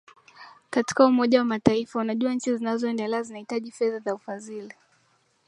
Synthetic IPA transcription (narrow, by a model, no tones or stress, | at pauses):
kati̥kaumɔʄawamataifaunaʄuaɲ̩t͡ʃizinazɔɛndɛlɛazinahitaʄifɛðazaufazili